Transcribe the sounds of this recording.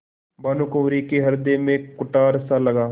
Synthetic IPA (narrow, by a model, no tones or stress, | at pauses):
baːnukoːɾiːkeːɦəɾd̪eːmẽːkʊʈaːɾsaːləɡaː